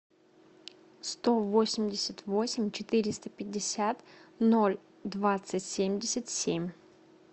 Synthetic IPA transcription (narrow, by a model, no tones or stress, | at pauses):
st̪o̞vo̞sʲɪmʲdʲɪsʲət̪vo̞sʲɪmʲt͡ɕɪt̪ɨɾʲɪst̪əpʲɪdʲːɪsʲat̪no̞lʲ | d̪vat̪sɨtʲsʲemʲdʲɪsʲət̪sʲemʲ